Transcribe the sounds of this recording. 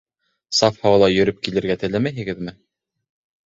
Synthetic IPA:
sɑfhɑwlˠɑjɵ̆ɾɵp̚kilɘ̆ɾɡæt̪ɘ̆læmæjɦɘ̆ɡɘðmɘ

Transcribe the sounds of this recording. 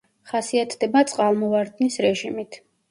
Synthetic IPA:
χasiat̪ʰd̪ɛbat̪sʼqʼalˠmɔvaɾd̪nisɾɛʒimit̪ʰ

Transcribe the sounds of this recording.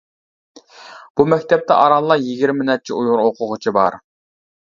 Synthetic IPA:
b̥umɛkʲt̪ʰɛp̚t̪ʰɛ̰ʔɑɾɑlˠːɑjiɡʲiɾmɪnɛt̪̚t͡ʃʰiujʊɾoqʰʊʁʊt͡ʃʰibɑɾ

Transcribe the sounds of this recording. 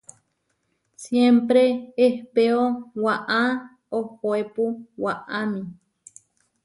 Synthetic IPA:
sjempɾeehpeowaʔa | ohoepuwaʔami

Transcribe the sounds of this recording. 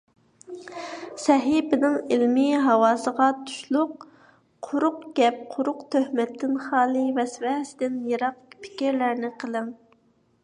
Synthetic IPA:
sɛɦibɪnɪŋilmɪɦɑwɑːsəʁɑt̪ʰu̥ʃlˠʊqʰ | ʊɾʊqɡ̥ʲɛp̚qʰʊɾʊqt̪ʰøhmɛt̪ʰːɪnχɑːlˠɨvɛsvɛhɛsɪd̪ɪnjeɾɑqpʰɪ̥kʲiɾlæɾnɪqʰəlˠɨŋ

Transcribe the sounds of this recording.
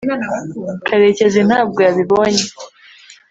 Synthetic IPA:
kʰaɾe̞ce̞zen̥haːb̚ɡojaβiβoːɲe

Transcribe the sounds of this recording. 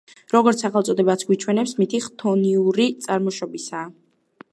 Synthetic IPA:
ɾɔɡɔɾt̪sʰaχɛlˠt̪sʼɔd̪ɛbat̪sʰɡ̥wit͡ʃʰwɛnɛpsmit̪ʰiχt̪ʰɔniuɾit̪sʼaɾmɔʃɔbisaː

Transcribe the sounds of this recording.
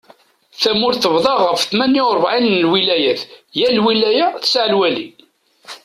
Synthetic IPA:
θæmʊɾθəvðˤɑʁəfθmænːiʊɾˤvʕinnlwilæjæθjælwilæjæθə̥sʕlwælḭ

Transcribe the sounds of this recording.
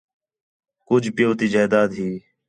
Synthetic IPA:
kʊd͡ʒpɪjoːt̪iːd͡ʒaːd̪aːd̪ɦiː

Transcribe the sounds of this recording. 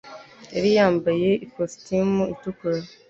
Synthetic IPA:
jaɾijaːmbaje̞ikostimuitukuɾa

